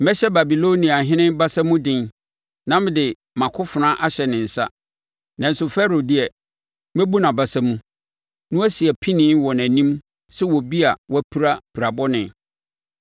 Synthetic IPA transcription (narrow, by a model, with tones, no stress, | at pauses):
mɛ˦ɕɛ˦ba˨bi˨lo˦nĩ˨a˨ɦɪ̃˦nɪ̃˦nba˦sa˦mũ˦dɪ̃˦˨n | nã˦m˦dɪ˨ | mã˨kʰʊ˦fʊ˨nã˦ʔa˦ɕɛ˨nɪ̃˨n̩˨sa̰˦ | nã˨n̩˦sʊ˨fɛ˦ɾo˨dɪ˦ɛ˨ | mɛ̃˦bu˦nã˨ba˨sa˦mũ˦ | nʊ̃˦æ˦si˨ɛ˨pʰĩ˦nɪ̃ː˨˦wɔ˨næ̃˨nĩ˦m | sɛ˦wɔ˨bi˦a˨wɔ˦pʰi˦ɾa˦pʰi˨ɾa˨bɔ˦nɪ̃˨